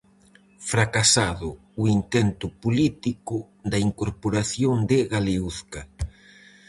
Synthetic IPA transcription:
fɾakasaðʊː | int̪ɛnt̪ʊpolit̪ikʊ | d̪ɐiŋkoɾpoɾaθjoŋd̪ɪɣaleuθkɐ

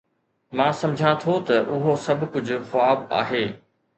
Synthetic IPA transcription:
mãːsɐ̃md͡ʑʱãt̪ʰot̪ɐʔʊɦosɐbʱkʊd͡ʑʱʊ̆xʊaːba̰ːɦeː

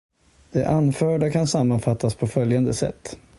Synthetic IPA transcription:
d̪̥ɛʔanfœːɖakʰansamːanfat̪ːaspʰɔfœljand̪əsɛ̰t̪ː

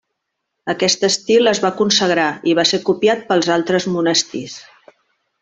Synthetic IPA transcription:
əkɛst̪əst̪iləzβakunsəɣɾaiβasekupjat̪̚pəlˠzalˠt̪ɾəzmunəst̪is

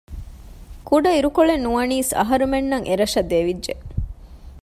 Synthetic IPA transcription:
kuɖɐiɾukoɭenːuʋɐniːsɐ̰ɦɐɾumenːɐŋʔeɾɐʂɐd̪eʋidʒe

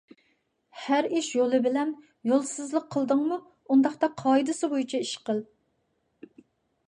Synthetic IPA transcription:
hæɾiʃjolˠɨbɪlɛn | jolˠsɨzlˠəqʰːəlˠd̪ɨŋmu | und̪ɑχt̪ɑqʰɑːid̪ɨsɨbojit͡ʃʰɛiʃqəlˠ

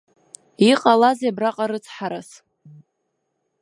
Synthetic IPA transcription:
iqʼalazabraqʼaɾɨt͡sʰħaɾas

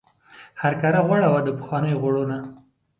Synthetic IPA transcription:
haɾkɑɾaɣwaɽawad̪əpə̥xwɑnəjoɣwaɽona

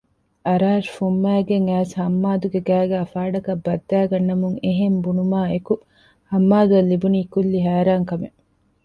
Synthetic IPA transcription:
ɐɾaːɾfumːæːɡeŋæːshɐmːaːd̪uɡeɡæːɡæːfaːɖɐkɐbːɐd̪ːæːɡɐnːɐmuŋeɦembunumaːeku | hɐmːaːd̪uɐlːibuniːkulːiɦæːɾaːŋkɐme

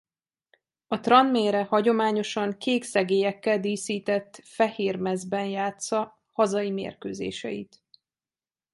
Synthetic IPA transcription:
ɒt̪rɒnmeːɾɛhɒɟo̞maːɲo̞ʃɒŋkeːksɛɡeːjɛkːɛld̪iːsiːt̪ɛt̪ːfɛheːrmɛzbɛnjaːt̪sɒ | hɒzɒjimḛːrkøːzḛːʃɛ̰jḭt̪

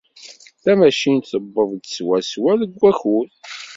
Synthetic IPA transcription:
θæmæʃint̪θəbːəðˤd̪swæswæləɡʷːæçul

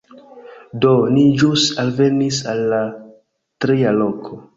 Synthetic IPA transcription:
do̞nid͡ʒusalve̞nisalːa | tɾialokʰo

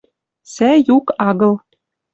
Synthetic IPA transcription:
sæjukɑɣɤ̆l

